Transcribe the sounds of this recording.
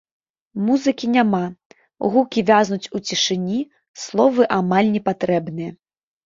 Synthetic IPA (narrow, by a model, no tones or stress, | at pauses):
muzɨkʲinʲama | ɣukʲivʲaznut͡sʲut͡sʲiʂɨnʲi | slˠɔvɨʔamalʲnʲɛpat̪ɾɛbnɨjɐ